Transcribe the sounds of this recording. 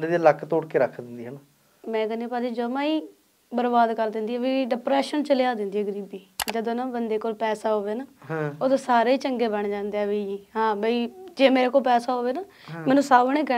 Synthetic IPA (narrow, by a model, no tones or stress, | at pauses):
ənd̪eːd̪iləkʰːt̪oːɽkeːɾəkʰd̪ɪnd̪iːɦən | mɛ̃ːɡəniːpaːd̪iːd͡ʒəmãːiː | bəɾbaːd̪kəɾd̪ɪ̃nd̪iːɛːʋiːɖɪpɾɛːʃənt͡ʃəljaːd̪ɪnd̪iːɛːɡəɾiːbiːd͡ʒəd̪õːnaːbənd̪eːkoːlpɛːsaːɦoːʋeːnaːoːt̪ãːsaːɾeːiːt͡ʃəŋɡeːbəɳd͡ʒãːnd̪eɛːʋiːiːɦãːbəiːd͡ʒeːmeːɾeːkoːlpɛːsaːɦoːʋeːnaː | mɛːnũːsaːbɳeːkə